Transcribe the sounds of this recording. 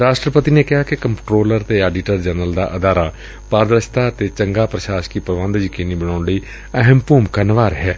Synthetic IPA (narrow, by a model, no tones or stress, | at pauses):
ɾaːʃʈɾəpət̪ineːkɪɦaːkɪkəmʈɾoːləɾt̪eːɛːɖɪʈəɾd͡ʒɛːnəld̪a̰ːʔəd̪aːɾaː | paːɾd̪ɾəʃʰt̪aːt̪eːt͡ʃəŋɡaːpɾəʃaːʃkiːpɾəʋãːnd̪d͡ʒiːkeniːbəɽ̃aːɳɽiː | əɦəmpuːmkənʋaːɾɦɛː